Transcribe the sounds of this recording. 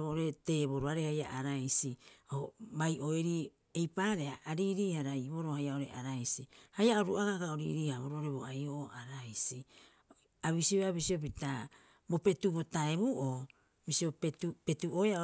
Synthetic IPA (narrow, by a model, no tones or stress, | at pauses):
βooɾe̞te̞ːβo̞ɾoaɾehaja̰ʔaɾajsiobajʔo̞eɾi | ejpaːɾe̞haʔːɾiːɾiːhaɾaiβo̞ɾo̞hajao̞ɾeʔaɾajsihajaoɾuaɡaɡaoɾḭːɾiːhaβoɾooɾe̞βoajoʔoaɾajsi | aβisioaβisio̞p̬ita | bo̞pe̞tuβo̞taeβuʔo | bisiopetupe̞tuojao